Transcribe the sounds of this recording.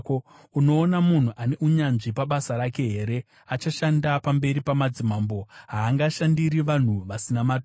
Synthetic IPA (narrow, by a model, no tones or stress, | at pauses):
uno̞ːnamun̤uʔane̞uɲanʐipaɓasaɾake̞ɦe̞ːɾe̞ | at͡ʃaʃandapambe̞ɾipamad͡zimaːmbo̞ɦaːŋɡaʃandiɾiʋan̤uʋasinamat